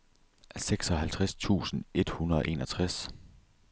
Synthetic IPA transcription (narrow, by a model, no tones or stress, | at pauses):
seɡ̥sɒ̽hælt͡sʰʁast͡sʰṵːsn̩e̝d̥hunɐðˠɒ̽ʔe̝̰ːnɒ̽t͡sʰʁas